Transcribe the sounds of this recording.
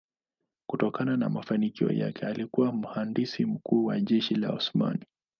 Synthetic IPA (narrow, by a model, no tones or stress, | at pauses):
kutɔkanana̰mafanikiɔ̰ja̰kɛalikuwam̩handisim̩kuːwaʄɛʃila̰ṵsma̰ni